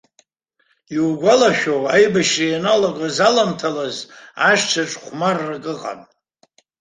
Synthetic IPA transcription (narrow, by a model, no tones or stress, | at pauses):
iwɡʷalaʃᶣowajbaʃrianaloɡazalamtʰalazaʃt͡ʃʰaʈ͡ʂʼχʷmarːakʼɨqʼa̰n